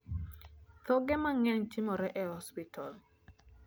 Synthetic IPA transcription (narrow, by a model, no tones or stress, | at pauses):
t̪ɔɡɛmaŋɛnt͡ʃimɔɾɛʔɛhɔspitʰɔl